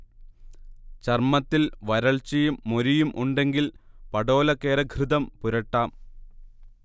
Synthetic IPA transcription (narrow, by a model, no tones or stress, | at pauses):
t͡ɕɐrmɐt̪ːilʋɐɾɐɭt͡ɕɐjumːoɾijumʔuɳɖe̞ŋɡilpɐɽo̞ːlɐkːeːɾɐɡʱrɨðɐmpuɾɐʈːaːm